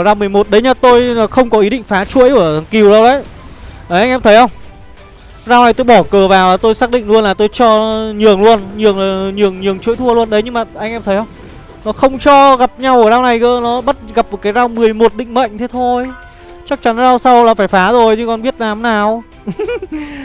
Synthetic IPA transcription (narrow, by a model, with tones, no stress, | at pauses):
zaː˧wmɨ˨˩əjmo˨˩t̚ɗə˨˦jɲaː˧t̪o˧jxə˧wŋ͡mkɔ˨˦ʔi˨˦ɗḭ˧˨ŋ̟faː˨˦t͡ɕṵ˧˥əjkɨ˧˩˨ki˨˩əwzə˧wɗə˨˦jʔəː˨˩ʔa˧jŋ̟ʔɛ˧mt̪ʰə˨˦jhə˧wŋ͡m | zaː˧wna˨˩jt̪o˧jɓɔ˧˩kəː˨˩vaː˨˩wlaː˨˩t̪o˧jsaː˦˥k̚ɗḭ˧˨ŋ̟lu˧ənlaː˨˩t̪o˧jt͡ɕɔ˧ɲɨ˨˩əŋlu˧ənɲɨ˨˩əŋa˨˩ɲɨ˨˩əŋɲɨ˨˩əŋt͡ɕṵ˧˥əjt̪ʰu˧əlu˧ənɗə˨˦jɲɨ˧ŋmaː˨˩ʔa˧jŋ̟ʔɛ˧mt̪ʰə˨˦jhə˧wŋ͡m | nɔ˨˦xə˧wŋ͡mt͡ɕɔ˧ɣa˨˩p̚ɲa˧wʔə˧˩zaː˧wna˨˩jkəː˧˦nɔ˨˦ɓə˦˥t̚ɣa˨˩p̚ɨ˨˩kaː˨˦jzaː˧wmɨ˨˩əjmo˨˩t̚ɗḭ̈˧˨ŋ̟mə̰˧˨ŋ̟t̪ʰe˨˦t̪ʰo˧j | t͡ɕa˦˥k̚t͡ɕa˨˦n˧zaː˧wsa˧wlaː˨˩faː˧˩jfaː˨˦zo˨˩jt͡ɕɨ˧kɔ˨˩nɓi˦˥ət̚laː˨˦mnaː˨˩w